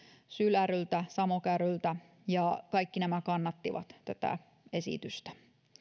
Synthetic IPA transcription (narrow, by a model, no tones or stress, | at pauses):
sylærylt̪æsɑmokærylt̪æ | jɑkɑikːinæmækɑnːɑt̪ːiʋɑ̰t̪t̪æt̪æ̰ | esḭt̪yst̪æ̥